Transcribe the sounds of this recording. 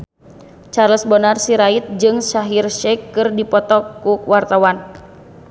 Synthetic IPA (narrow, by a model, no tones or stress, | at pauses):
t͡ʃarləsbɔnarsiɾait̪̚d͡ʒɨŋsaɦirʃɛkːɨrdipɔt̪ɔkuwart̪awan